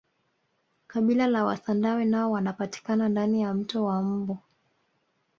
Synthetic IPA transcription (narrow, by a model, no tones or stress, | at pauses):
kaɓilalawa̰sandawɛnaɔwanapati̥kanandanijam̩tɔwam̩bɔ